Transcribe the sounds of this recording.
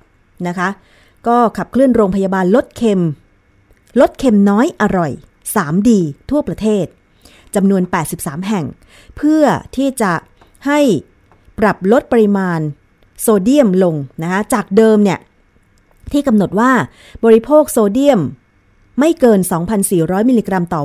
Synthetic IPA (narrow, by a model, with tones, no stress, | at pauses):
na˦˥kʰa˦˥ | kɔː˥˩kʰa˨˩p̚kʰlɯ˥˩ənɾoː˧ŋpʰa˧jaː˧baː˧nlo˦˥t̪̚kʰe˧m | lo˦˥t̪̚kʰe˧mnɔː˦˥jʔa˧ɾɔ˨˩j | saː˩˦mdiː˧t̪ʰːu˥˩ɐpɾa˧t̪ʰeː˥˩t̪̚ | t͡ɕa˧mnu˧ənpɛː˨˩t̪̚si˨˩p̚saː˩˦mɦɛ˨˩ŋ | pʰɯ˥˩ɐt̪ʰiː˥˩t͡ɕa˨˩ | ha˥˩j | pɾa˨˩p̚lo˦˥t̪̚pa˧ɾi˧maː˧n | soː˧di˥˩əmlo˧ŋna˦˥kʰa˦˥t͡ɕaː˨˩k̚dɤː˧mni˥˩ɐə | t̪ʰiː˥˩ka˧mno˨˩t̪̚waː˥˩ | bɔː˧ɾi˦˧pʰoː˥˩k̚soː˧di˥˩əmː | a˥˩jkɤː˧nsɔː˩˦ŋpʰa˧nsiː˨˩ɾɔː˦˥jmiː˧liː˧kɾa˧mt̪ɔː˨˩